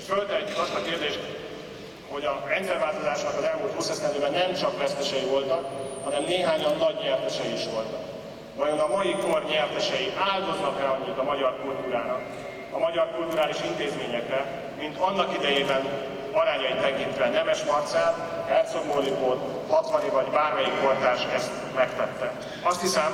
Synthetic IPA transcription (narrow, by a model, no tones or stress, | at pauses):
følt̪ɛɦɛcːykɒst̪ɒkeːrd̪eːʃt̪ | ho̞ɟɒrɛnt̪sɛrvaːlt̪o̞zaːʃnɒkɒzɛlmult̪husɛsɛnd̪øːbɛnːɛmt͡ʃɒkʋɛst̪ɛʃɛjivo̞lt̪ɒk̚hɒnɛmneːɦaːɲɒnːɒɟɲɛrt̪ɛʃɛjiiʃʋo̞lt̪ɒk | vɒjo̞nɒmɒjiko̞rɲɛrt̪ɛʃɛjiʔaːld̪o̞znɒkɛlɒɲːit̪ɒmɒɟɒrkult̪uːɾaːnɒk | ɒmɒɟɒrkult̪uɾaːliʃint̪eːzmeːɲɛkɾɛ | mint̪ɒnːɒkid̪ɛjeːbɛn | ɒɾaːɲɒjit̪ːɛkint̪ʋɛnɛmɛʃmɒrt̪saːt̪ | ɛlt̪soɡboːlikor | hɒt̪vɒnivɒɟbaːrmɛjikkort̪aːʃɛst̪ | mɛkt̪ɛt̪ːɛ | ɒst̪hisɛm